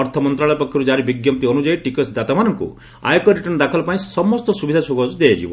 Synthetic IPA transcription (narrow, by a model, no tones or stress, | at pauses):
ɔɾt̪ʰɔmɔnt̪ɾaɭɔjɔpɔkʰːjɔɾud͡ʒaɾibiɡjɔp̚t̪iɔnud͡ʒajʈikeʈsd͡ʒ̪at̪amanɔŋkṵ | a̰jkɔɾiʈɔnd̪akʰɔlɔpãĩsɔmɔst̪ɔsubid̪ʱat͡ʃʰoɡɔd͡ʒud̪ejad͡ʒḭbɔ